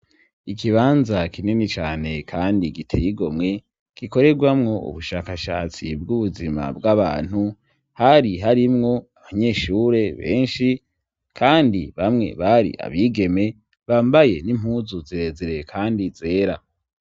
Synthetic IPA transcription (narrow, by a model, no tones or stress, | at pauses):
ikiβaːnzakʰininit͡ʃaːne̞kʰaːndiɡitʰḛjiɡo̞mŋe̞ | kiko̞ɾe̞ɡwamŋo̞ṵβuʃaːkaʃa̰ːt͡sḭb̚ɡuβuzima̰bɡaβa̰ːn̥hu | haɾiɦaɾimŋo̞aβaɲe̞ːʃuːɾe̞βe̞̰ːnʃi | kʰaːndiβamŋe̞̰βaɾḭʔa̰βiɡe̞me̞ | βaːmbaje̞nim̥huːzuziɾe̞ziɾekʰaːndize̞ːɾa